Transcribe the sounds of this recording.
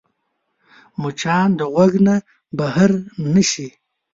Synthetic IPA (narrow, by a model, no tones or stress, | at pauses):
mut͡ʃɑnd̪əɣwaɡna | bahaɾnəʃi